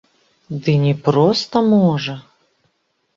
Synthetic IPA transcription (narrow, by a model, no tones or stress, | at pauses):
d̪ɨnʲɛpɾɔst̪ɐmɔʐɐ